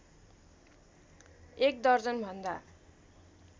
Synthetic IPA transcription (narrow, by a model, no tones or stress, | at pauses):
ek̚d̪ʌrd͡zʌnbʱʌnd̪a